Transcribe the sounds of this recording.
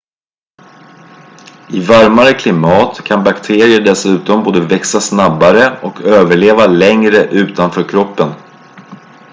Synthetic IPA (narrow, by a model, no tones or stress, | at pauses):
ɪvaɾmaɾəkʰlɪmɑːt̪kʰanbakt̪ʰeːɾɪəɖɛsʉ̟ːt̪ɔmboːd̪əvɛksasnabːaɾəɔkʰøːvəɭeːvalɛŋɾəʔʉ̟ːt̪anfœːɾkʰɾɔpːən